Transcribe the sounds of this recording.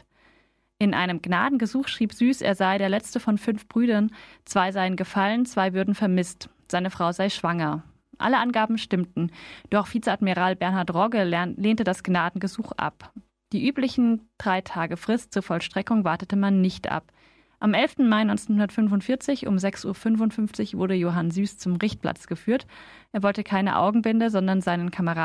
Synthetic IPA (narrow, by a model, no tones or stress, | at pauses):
ʔɪnʔa̰ɪnəmɡna̰ːdn̩ɡəzuːxʃʁ̥iːpz̥yːsḛːɐzaɪdeːɐlɛt͡stəfɔnfʏnfb̥ʁyːdɐnt͡sv̥aɪzaɪənɡəfalənt͡sv̥aɪvʏɐdn̩fɛɐmɪst | z̥aɪnəfʁ̥aʊzaɪʃv̥aŋɐ | ʔa̰ləʔanɡaːbm̩ʃtɪmtn̩d̥ɔχfiːt͡səadmiʁaːlbɛɐnhaɐtʁɔɡəleːntədasɡ̥naːdn̩ɡəzuːxʔa̰p | d̥iːʔyːplɪçn̩d̥ʁaɪtʰaːɡəfʁ̥ɪstt͡suːɐfɔlʃtʁ̥ɛkʊŋvaɐtətəmanːɪçtʔa̰p̚ | ʔamʔɛlftn̩maɪnɔʏnt͡senhʊndɐtfʏnvʊntfɪɐt͡sɪçʔʊ̰mzɛksʔuːɐfʏnvʊntfʏnft͡sɪçv̥ʊɐɾəjoːɦanzyːst͡sʊmʁɪçt̚pla̰t͡sɡ̥əfyːɐt | ʔeːɐvɔltəkʰaɪnə̰ʔa̰ʊɡŋ̩bɪndəzɔndɐnzaɪnənkʰaməʁaː